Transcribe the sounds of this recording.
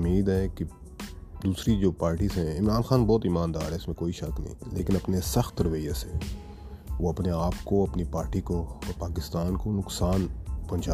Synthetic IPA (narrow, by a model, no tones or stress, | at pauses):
mːiːd̪ɦɛki | d̪uːsɾid͡ʒoːpaːɾʈisɦɛ̃ɪmɾaːnxaːnbɔːt̪iːmãːnd̪a̰ːɾɦɛɪsmẽkoːiʃɐknɐ̰ɦḭ̃leːkɪnɐpnesɐxt̪ɾɪʋejase | ʋoɐpneaːpkoɐpnipaːɾʈikoɔɾpaːkɪst̪aːnkonʊksaːnpɐ̃nt͡ʃaː